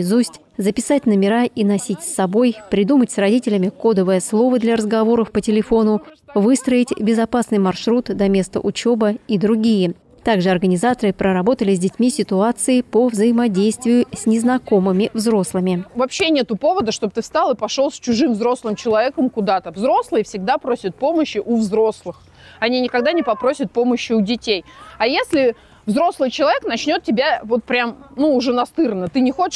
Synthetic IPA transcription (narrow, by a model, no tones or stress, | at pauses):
zusʲtʲ | zəpʲɪsatʲnəmʲɪɾaʔinɐsʲitʲsʲːɐbo̞jpɾʲɪd̪umətʲsrɐdʲitʲɪlʲɪmʲɪko̞d̪əvəjəslˠo̞vəd̪lʲɐɾəzɡɐvo̞ɾəfpətʲɪlʲɪfo̞nʊ | vɨst̪ɾəɪtʲbʲɪzɐpasnɨjmɐrʂɾut̪d̪ɐmʲe̞st̪ə̰ʔʊt͡ɕo̞bəid̪ɾʊɡʲijə | t̪aɡʐɨɐrɡənʲɪzat̪əɾɨpɾəɾɐbo̞t̪əlʲɪzʲdʲɪtʲmʲisʲɪt̪ʊat̪sɨɪpəvzəjɪmɐdʲejst̪vʲɪjʊsʲnʲɪznɐko̞mɨmʲɪvzɾo̞slˠɨmʲɪvɐpɕːenʲet̪ʊpo̞vəd̪əʂt̪o̞b̚ət̪ɨfst̪alˠɨpɐʂo̞lˠsʲt͡ɕʊʐɨmvzɾo̞slˠɨmt͡ɕɪlˠɐvʲekəmkʊd̪at̪əvzɾo̞slˠɨjfsʲɪɡ̚d̪apɾosʲɪt̪̚po̞məɕːɪʔʊvzɾo̞slˠɨx | ɐnʲinʲɪkɐɡd̪anʲɪpɐpɾo̞sʲɪt̪̚po̞məɕːɪʊdʲɪtʲejɐjesʲlʲɪ | vzɾo̞slˠɨjt͡ɕɪlˠɐvʲeknɐt͡ɕnʲo̞t̪̚tʲɪbʲavo̞t̪̚pɾʲamnuːʐɛnɐst̪ɨrnət̪ɨnʲɪxot͡ɕɪ